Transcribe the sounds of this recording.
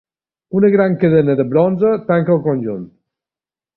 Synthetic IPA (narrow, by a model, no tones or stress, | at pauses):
unəɣɾaŋkəðənəðəβɾɔnzət̪aŋkəlˠkonʲʒunt̪